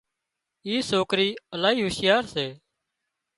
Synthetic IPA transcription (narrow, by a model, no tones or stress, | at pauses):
iːsoːkɾiːəlaːɦiːɦʊʃɪjaːɾseː